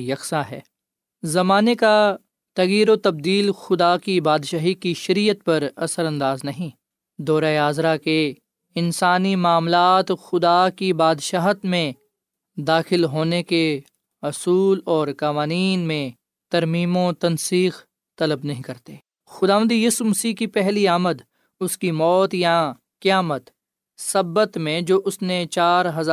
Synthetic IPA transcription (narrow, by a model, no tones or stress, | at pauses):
jɐksaɦɛː | zɐmaːneka | t̪ɐɣjiːɾot̪ɐb̚d̪iːlxʊd̪akibaːd̪ʃaːɦikiʃɐɾiːət̪̚pɐɾɐ̰səɾɐ̃nd̪aːznɐɦĩ | d̪ɔːɾaeaːzɾake | ɪnsaːnimaːmlaːt̪xʊd̪akibaːd̪ʃaːɦt̪mẽ | d̪aːxɪlɦoːneke | ɐsuːlɔːɾkɐʋaːniːnmẽ | t̪ɐɾmiːmõt̪ɐnsiːx | t̪ɐləbnɐɦĩkɐɾt̪eː | xʊd̪aːʋə̃nd̪jiːsumɐsiːkipɛɦliaːməd̪ | ʊskimɔːt̪ja | kɪjaːmət̪ | sɐbət̪mẽd͡ʒoːʔʊsnet͡ʃaːɾɦɐz